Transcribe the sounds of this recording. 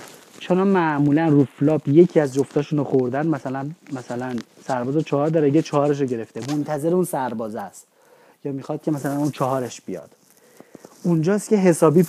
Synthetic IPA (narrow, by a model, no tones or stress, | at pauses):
t͡ʃʰenɒːmæʔmuːlænruflɒːbje̞cʰiæzd͡ʒo̞ft̪ɒːʃunoxoɾd̪ænmæsælænmæsælæn | sæɾbɒːzɑt͡ʃʰɒːhɒːɾd̪ɒːɾeɟet͡ʃʰɒhɒːɾe̞ʃ̬oɟe̞ɾe̞ft̪emo̞nt̪ʰæze̞ɾeunsæɾbɒːzæst̪ | jɒːmixɒːd̪̚cʰemæsælænunt͡ʃʰɒɦɒːɾeʃb̥ijɒ̰ːd̪̥ | und͡ʒɒːst̪cʰʲe̞ɦe̞sɒːbiː